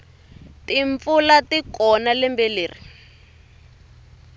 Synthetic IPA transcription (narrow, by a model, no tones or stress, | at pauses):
tiɱp̪fulatikɔnalɛmbɛleːri